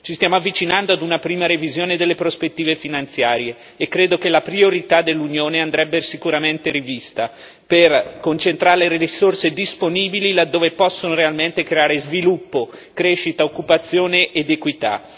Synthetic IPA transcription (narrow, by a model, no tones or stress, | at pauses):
t͡ʃist̪jaːmoavːit͡ʃinand̪oad̪unapɾiːmaɾevizjoːned̪elːepɾospet̪ːiːvefinant̪sjaːɾjeː | kːɾeːd̪okelapɾioɾit̪ad̪elːunjoːneand̪ɾɛbːesikuɾament̪eɾivist̪a | perkont͡ʃent̪ɾaːɾeleɾiisorsed̪isponiːbililad̪ːoːvepɔsːonoɾealment̪ekɾeaːɾezvilupːokɾeʃːit̪aokːupat̪sːjoːneʔːd̪ekwit̪a̰